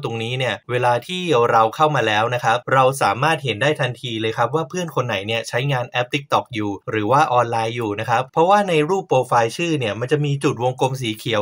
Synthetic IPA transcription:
t̪o˧ŋniː˦˥ni˥˩əweː˧laː˧t̪ʰiː˥˩ɾa˧wkʰa˥˩wmaː˧lɛː˦˥wna˦˥kʰa˦˥p̚ɾa˧ws̬aː˩˦maː˥˩t̪̚ɦe˩˦ndaː˥˩jt̪ʰa˧nt̪ʰiː˧lɤː˧jkʰa˦˥p̚waː˥˩pʰɯ˥˩ənkʰo˧nːa˩˦jni˥˩ət͡ɕʰa˦˥jŋaː˧nʔɛ˦˥p̚t̪i˦˥k̚t̪ɔ˨˩k̚juː˨˩ɾɯː˩˦waː˥˩ʔɔː˧nlaː˧jːuː˨˩na˦˥kʰa˦˥pʰːɾɔ˦˥waː˥˩na˧jɾuː˥˩pːoː˧faː˧jt͡ɕʰɯː˥˩ni˥˩əma˧nt͡ɕa˨˩ʔmiː˧t͡ɕu˨˩t̪̚wo˧ŋko˧ms̬iː˩˦kʰi˩˦əw

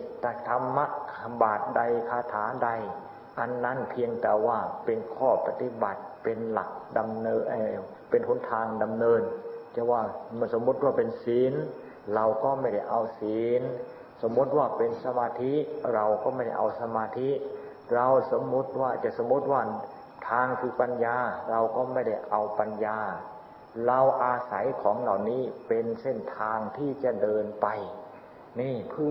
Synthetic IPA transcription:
t̪aː˧˩t̪ʰa˧mːa˦˥ʔkʰa˧baː˨˩t̪̚da˧jkʰaː˧t̪ʰaː˩˦da˧j | ʔa˧nːa˦˥˨npʰi˧əŋt̪ɛː˨˩waː˧˥˩pe˧nkʰɔː˥˩pa˧t̪i˧˦ba˨˩t̪̚pe˧nla̰˨˩k̚da˧mnː˧ʔ | pe˧nho˨˦nt̪ʰaː˧ŋda˧mnɤː˧nt͡ɕa˧˩waː˧˥˩m˧˩so˨˦mːu˦˥t̪̚waː˥˩pe˧nsiː˨˦n | ɾa˧wkɔː˥˩ma˧˥˩jda˥˩jʔa˧wsiː˨˦˨n | so˨˦mːu˦˥t̪̚waː˥˩pe˧nsa˧maː˧t̪ʰi˦˥ɾa˧wkɔː˥˩ma˥˩jda˥˩jʔa˧wsa˧maː˧t̪ʰi˦˥ʔ | ɾa˧wso˨˦mːu˦˥t̪̚waː˥˩t͡ɕa˨˩ʔso˨˦mːu˦˥t̪̚waː˥˩ | t̪ʰaː˧ŋkʰɯː˧pa˧njaː˧ɾa˧wkɔː˥˩ma˥˩jda˥˩jʔa˧wpa˧njaː˧ | ɾa˧wʔaː˧sa˩˦jkʰɔː˩˦ŋla˨˩wniː˦˥˩pe˧nse˥˩nt̪ʰaː˧ŋt̪ʰiː˥˩t͡ɕa˨˩dɤː˧npa˧j | niː˧˥˩pʰɯ˥˩˨

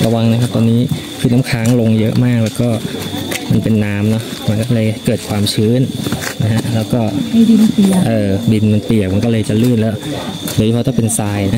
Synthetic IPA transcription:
ɾʔa˧wa˧ŋna˦˥kʰa˦˥p̚t̪ɔː˧nːiː˦˥ | kʰɯː˧˩naː˦˥kʰaː˦˥ŋlo˧ŋjɤ˦˥ʔmaː˥˩k̚lɛː˦˥wkɔː˥˩ma˧npe˧nːaː˦˥mnɔ˦˥ʔma˧nkɔː˥˩lɤː˧jkɤː˨˩t̪̚kʰwaː˧mt͡ɕʰɯː˦˥nna˦˥kʰa˦˥ʔlɛː˦˥wkɔː˥˩a˥di˧npi˨˩ʔɤː˧˩bi˧nma˧npi˨˩ək̚ma˧nkɔː˥˩lɤː˧jt͡ɕa˨˩lɯː˥˩nlɛː˦˥wdo˧ji˧pʰɔ˧t̪ɔ˥˩pe˧nsaː˧jna˦˥

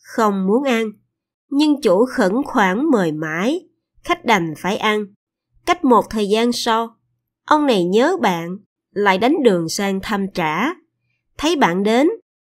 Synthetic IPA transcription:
xə˧wŋ͡mmu˨˦ənʔa˧n | ɲɨ˧ŋt͡ɕu˧˩˦xə̰˧˥nxwaː˧˩ŋməː˨˩jma̰ː˧˥j | xa˦˥jk̟̚ɗa˨˩jŋ̟faː˧˩jʔa˧n | ka˦˥jk̟̚mo˨˩t̚t̪ʰəː˨˩jzaː˧nsa˧w | ʔə˧wŋ͡mna˨˩jɲəː˨˦ɓa̰ː˧˨n | la̰ː˧˨jɗa˨˦jŋ̟ɗɨ˨˩əŋsaː˧ŋt̪ʰa˧mt͡ɕaː˧˩ | t̪ʰə˨˦jɓa̰ː˧˨nɗe˨˦n

